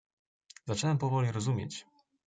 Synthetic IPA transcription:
zat͡ʂɛwɛmpɔvɔlʲiɾɔzumʲjḛt͡ɕ

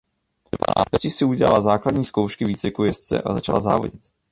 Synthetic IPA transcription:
cɪsɪuɟɛla̰lazaːkladɲiːskowʃkɪviːt͡svɪkujɛst͡sɛ̰ʔazat͡ʃala̰za̰ːvo̞̰ɟɪt̪

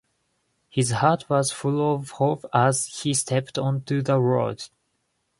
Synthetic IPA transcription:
hɪzhɑɹt̚ʰwʌz̥fʊlˠɔvhovəz̥histʰɛptɔ̃ntʉðəɹo̰d̥

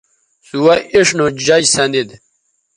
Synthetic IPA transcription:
suwɐʔiʂnod͡ʑɐd͡ʑsɐnd̪id̪

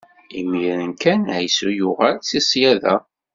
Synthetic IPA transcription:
imiɾnkænʕæjsujʊʁælt͡sisˤjæðæ

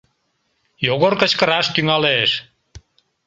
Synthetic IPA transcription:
joɣoɾkət͡ɕkə̆ɾɑʃt̪yŋɑleʃ

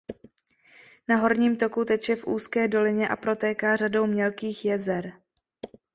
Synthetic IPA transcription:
naɦo̞ɾɲiːmt̪o̞kut̪ɛt͡ʃjɛfʔuːskɛːdo̞lɪɲɛʔa̰pɾo̞t̪ɛːkaːrado̞wmɲɛlkiːxjɛzɛɾ

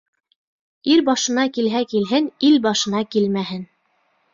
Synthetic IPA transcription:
iɾbɑʃɤ̆nɑkilɦækilɦɘnilbɑʃɤ̆nɑkilmæhɘn

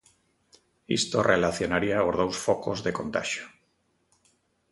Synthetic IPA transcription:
ḭst̪orelaθjonaɾiaozð̞owsfoko̰zðekont̪a̰ʃjo̥

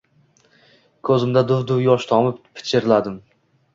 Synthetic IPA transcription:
kʰɵzɪmd̪ad̪ʊvd̪ʊwjɒʃt̪ʰɒmɪppʰːɪ̥t͡ʃʰɪɾɪlad̪ɪm

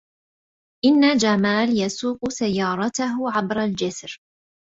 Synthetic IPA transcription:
ʔɪnːad͡ʒamaːljasuːqʊsajːɑːɾˤɑt̪aɦʊʕabɾˤald͡ʒɪsɾ

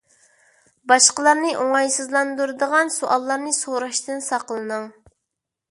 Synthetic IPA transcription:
bɑʃqəlˠɑɾnɨʔoŋɑjsɨzlˠɑnd̪uɾɨd̪əʁɑnsoʔɑlˠːɑɾnɨsoɾɑʃt̪ʰɨnsɑqlˠɨnɨŋ

